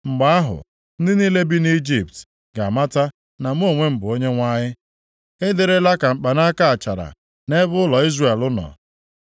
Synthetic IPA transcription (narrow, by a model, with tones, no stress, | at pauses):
ŋ͡m̩˨ɡ͡ba˦a˦ɦʊ̰˨ | n̩˦dɪ˦ni˦le˦bi˦ni˦d͡ʒi˨p̚t | ɡa˨ma˦ta˦ | na˨m̩˦o˦˨ŋʷe˦m̩˨bʊ˨o˦ɲe˦ŋʷa˦ɲɪ˦ | ɪ˦de˨ɾe˦la˦ka˨m̩˨k͡pa˨na˦ka˦a˨t͡ʃa˨ɾa̰˨ | ne˦bʊ˦ʊ˦lɔ˨i˦zre˨lʊ˦nɔ̰˨